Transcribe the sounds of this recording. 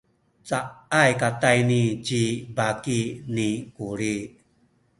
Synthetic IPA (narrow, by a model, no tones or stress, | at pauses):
t͡saʔajkatajnid͡ʒibakinikuɾi